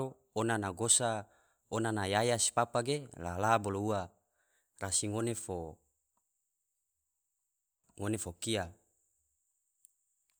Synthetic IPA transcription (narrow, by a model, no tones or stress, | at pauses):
o | onanaɡosa | onanajajasi̥papaɡela̰laboloua | rasiŋonefo | ŋonefokia